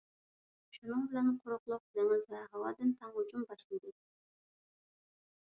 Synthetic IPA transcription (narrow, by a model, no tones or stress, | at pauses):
ʃunɨŋbɪlɛnqʰoɾʊqlˠʊq̚lɪŋɪzvɛɦɑwɑːd̪ɨnt̪ʰɛŋhʊd͡ʒumbɑʃlˠɨd̪ɨ